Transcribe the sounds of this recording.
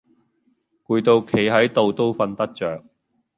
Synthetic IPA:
kuː˧jt̪o˧wkʰe˨˥jɦɐ˨˥jt̪o˨˧wt̪o˥wfɐ˧nt̪ɐ˥k̚t͡ʃœː˨k̚

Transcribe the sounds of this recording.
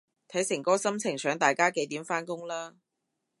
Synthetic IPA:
t̪ʰɐ˨˥jsɪ˨˩ŋkɔː˥sɐ˥mt͡sʰɪ˨˩ŋsœː˨˥ŋt̪aː˨jkaː˥ke˨˥jt̪iː˨˥mfaː˥nkʊ˥ŋlaː˥

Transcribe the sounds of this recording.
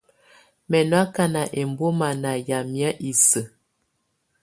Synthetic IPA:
mɛ˨nwa˦ka˦na˨ʔe˨mbo˦ma˨na˨ja˨mja˦ʔi˨sə˨

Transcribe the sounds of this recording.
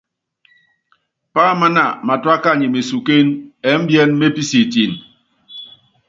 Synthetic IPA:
paː˦ma˦na˨ma˨twa˦ka˦˨ɲi˨me˨su˨ke˦nɛ˨˦m̩˦bjɛ˦nme˦pi˦si˨ti˨n

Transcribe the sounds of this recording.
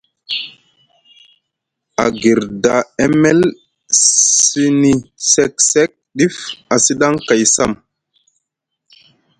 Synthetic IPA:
a̰˨ɡi˨ɾda˨e˦me˦l | si˦ni˨se˦k̚se˦k̚ɗi˦fa˨si˦ɗa˦ŋka˨jsa˦˨m

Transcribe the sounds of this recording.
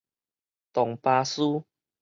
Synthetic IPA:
t̪ɔ˨˩ŋpaː˧suː˦

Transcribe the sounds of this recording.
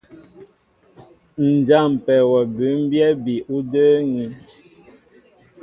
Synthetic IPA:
n̩˨d͡ʒa˦˨m˨pɛ˨wɛ˨bʉ˨˦m˦bjɛ˦bi˨ʔu˦də˦ŋi˨

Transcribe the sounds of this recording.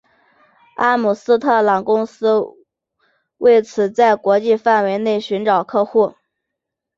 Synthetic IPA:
a˥mu˨˩sɹ̩˥t̪ʰɤ˥˩lɑ˨˩ŋkʊ˥ŋsɹ̩˥ | we˥˩ɪt͡sʰɹ̩˨˩t͡sa˥˩ɪkwɔ˧˥t͡ɕi˥˧fa˥˩nwe˧˥ɪne˥˩ɪɕy˧˥nʈ͡ʂɑ˨˩ʊkʰɤ˥˧xu˥˩

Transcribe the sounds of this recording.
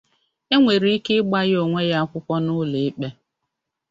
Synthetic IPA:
e˦ŋʷe˨ɾi˦i˦ke˦ɡ͡ba˦jo˨ŋʷe˦ja˦a˦kʷʊ˦kʷɔ˦nʊ˦le˨e˦k͡pe˦

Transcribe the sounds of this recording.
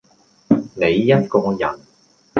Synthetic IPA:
ne˨˧jːɐ˥t̚kɔː˧jɐ˨˩n

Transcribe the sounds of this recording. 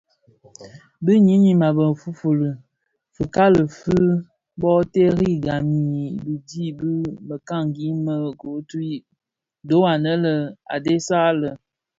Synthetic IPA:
bɨ˦ɲi˦ɲi˨ma˨bə˨fu˦fu˨lɨ˨ | fɨ˨ka˦lə˨fɨ˦ | bɔ˦te˦ɾi˦˨ɡa˨mi˨bɨ˨di˦bɨ˦mə˨ka˦˨ŋ˨ɡi˨˦mə˦ko˨˦tu˦i˦ | do˨˦a˨nə˦lə˨a̰˨de˦sa˦lə˨

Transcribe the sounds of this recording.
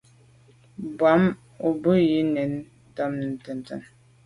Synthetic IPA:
ba˨˦m | o˨bə˦ji˦nɛ˨˦n˦ | ta˦mnə˨n˨tə˨n˨tə̰˦˨n

